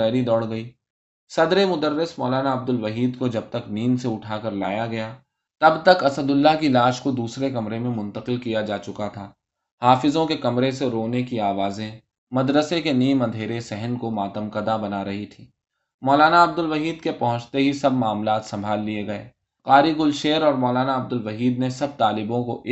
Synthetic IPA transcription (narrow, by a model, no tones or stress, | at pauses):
ɛːɾid̪ɔːɽɡɐiː | sɐd̪ɾemʊd̪əɾːɪsmɔːlaːnaɐb̚d̪ʊlʋɐɦiːd̪kod͡ʒɐb̚t̪ɐkniːnseʊʈʰaːkɐɾla̰ːjaɡɐjaː | t̪ɐbt̪ɐkɐsəd̪ʊlːakilaːʃkod̪uːsɾekɐmɾemẽmʊ̃nt̪əqɪlkijad͡ʒaːt͡ʃʊkat̪ʰaː | haːfɪzõkekɐmɾeseɾoːnekiaːʋaːzẽ | mɐd̪ɾəsekeniːmɐ̃nd̪ʱeːɾesɛɦənkomaːt̪əmqɐd̪abɐnaɾɐɦit̪ʰiː | mɔːlaːnaɐb̚d̪ʊlʋɐɦiːd̪kepɐɦʊ̃t͡ʃt̪eɦisɐbmaːmlaːt̪sɐ̃mbʱaːlːieɡɐḛː | qaːɾiɡʊlʃeːɾɔːɾmɔːlaːnaɐb̚d̪ʊlʋɐɦiːd̪nesɐb̚t̪aːlɪbõkoʔɪ